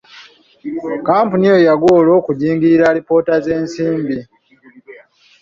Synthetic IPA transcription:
kaːmpunijojaɡoːlo̞ːkuɟiːŋɡiɾiɾalipo̞ːtaze̞ːnsiːmbi

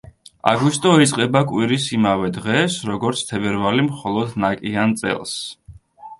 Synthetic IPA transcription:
a̰ɡwist̪ʼɔit̪sʼqʼɛbakʼwiɾisimavɛd̪ʁɛsɾɔɡɔɾt̪sʰt̪ʰɛbɛɾvalimχɔlˠɔd̪nakʼiant̪sʼɛ̰lˠs

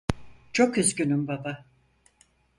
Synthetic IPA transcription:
t͡ʃʰo̞kyzɟynymbaba

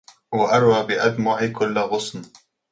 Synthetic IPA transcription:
waʔɑɾˤwaːbɪʔad̪mɑːʔɪkʊlːɣʊsˤn

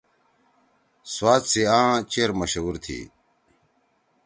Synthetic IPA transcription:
swaːt̪siãːt͡ɕeːɾmɐɕuːɾt̪ʰḭː

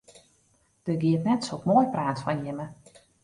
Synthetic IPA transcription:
d̥əɡiətnɛtsokmoːjpraːtfɔnjɪmə

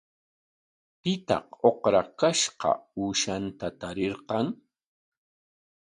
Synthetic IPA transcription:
pɪt̪ɑ̰qoqɾakaʃqɑ̰uːʃant̪at̪aɾɪɾqɑŋ

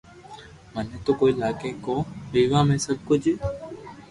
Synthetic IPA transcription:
mənẽːt̪oːkoːiːlaːkeːkoːʋiːʋãːmẽːsəb̚ʱkʊd͡ʒ

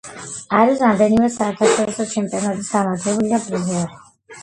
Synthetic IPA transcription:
aɾisɾamd̪ɛnimɛsaɛɾt̪ʰaʃɛɾɔsɔt͡ʃʰɛmpʼiɔnat̪ʼisɡ̪amat̪ʰɛbulid̪abɾuzɛɾi

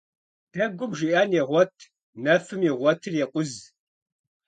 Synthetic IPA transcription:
d̥ɐɡʷʊmʒiʔaːnjɛʁʷɔtʰ | nɐfɨmjɛʁʷɔtʰɨrjɛqʷʼʊz

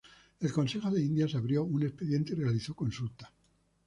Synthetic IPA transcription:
e̞lko̞nse̞xo̞ðe̞ind̪jasaβɾjo̞une̞speðje̞nt̪eirealiθo̞ko̞nsult̪ḁ

